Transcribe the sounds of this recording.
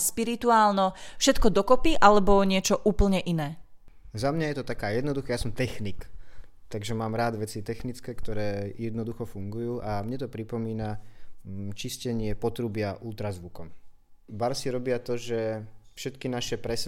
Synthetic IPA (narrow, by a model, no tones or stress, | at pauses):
spiɾit̪uaːlnɔfʃɛt̪kɔd̪ɔkɔpiʔalɛbɔɲɪɛt͡ʃɔʔuːpl̩ɲɛʔinɛː | zamɲajɛt̪ɔt̪akaːjɛd̪nɔd̪uxajasɔmt̪ɛxnik | t̪aɡʒɛmaːmɾaːd̪ʋɛt͡sit̪ɛxnit͡skɛːkt̪ɔɾɛːjɛd̪nɔd̪uxɔfuŋɡujuːʔamɲɛt̪ɔpɾipɔmiːna | t͡ʃiscɛɲɪɛpɔt̪ɾubɪaʔult̪ɾazʋukɔm | baɾsiɾɔbɪat̪ɔʒɛfʃɛt̪kinaʃɛpɾɛs